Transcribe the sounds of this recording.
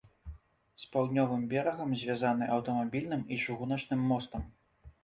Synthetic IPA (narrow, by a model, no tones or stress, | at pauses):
spawd̪nʲɔvɨmbʲɛɾɐɣɐmzʲvʲazanɨʔɐwt̪ɐmabʲilʲnɨmit͡ʂɨɣunɐt͡ʂnɨmːɔst̪ɐm